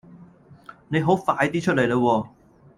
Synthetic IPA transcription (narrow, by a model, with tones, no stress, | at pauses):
ne˨˧jɦo˨˥wfaː˧jt̪iː˥t͡ʃʰɵ˥t̚le˨˩jlə˧wɔː˧